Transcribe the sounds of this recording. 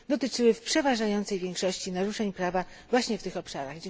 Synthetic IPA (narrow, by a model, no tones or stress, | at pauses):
d̪ɔt̪ɘt͡ʂɘwɘfpʂɛvaʐajɔnt̪sɛjvʲjɛŋkʂɔɕt͡ɕinaɾuʂɛɲpɾava | vwaɕɲɛft̪ɘxɔpʂaɾaɣd͡ʑ